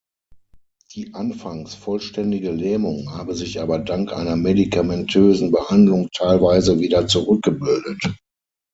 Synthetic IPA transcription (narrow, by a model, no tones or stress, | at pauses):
d̥iːʔanfaŋsfɔlʃtɛndɪɡəlɛːmʊŋhaːbəzɪçʔaːbɐdaŋkʔa̰ɪnɐmedikʰamɛntʰøːzn̩bəhandlʊŋtʰaɪlvaɪzəviːdɐt͡suʁʏk̚ɡ̥əbɪldət